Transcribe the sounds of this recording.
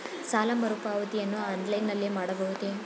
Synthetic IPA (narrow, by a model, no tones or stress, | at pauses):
saːlɐmɐɾupaːʋɐt̪ijɐnːuaːɐnd̪lɐjnːɐlːeːmaːɽɐbɐɦut̪e